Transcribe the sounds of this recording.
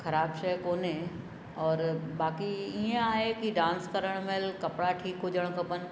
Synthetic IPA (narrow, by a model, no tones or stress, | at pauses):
xʰɐɾaːbʃɐɦkoːne | ɔːɾbaːkiiẽaːɦekiɖãːnskɐɾəɽ̃melkɐpɽaʈʰiːkɦʊd͡ʑəɽ̃kɐpən̆